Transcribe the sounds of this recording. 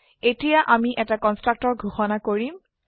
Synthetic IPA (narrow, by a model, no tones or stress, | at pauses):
etijaʔamiʔɛtakɔnstɹak̚tɔɹɡʱuxɔnakoɹim